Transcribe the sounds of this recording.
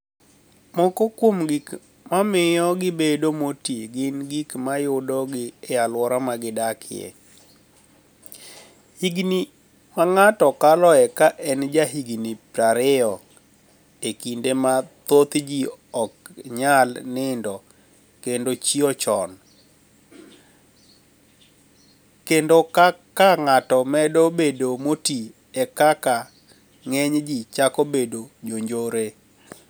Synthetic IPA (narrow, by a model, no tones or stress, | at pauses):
mɔkokwomɡik | mamɪjɔɡɪbedomoteɡɪnɡikmajʊdɔɡɪalwɔɾamaɡɪdakʰɪjɛ̰ | hiɡni | maŋatɔkalɔɛkaʔɛnd͡ʒaɦiɡnipɾaɾɪɔ | ekindemat̪ot̪d͡ʒiɔkɲalnɪndɔ | kendot͡ʃiɔt͡ʃɔn | kendokakaŋatɔmɛdobedomoti | ɛkaka | ŋeɲd͡ʒit͡ʃakobedod͡ʒoɲd͡ʒoɾe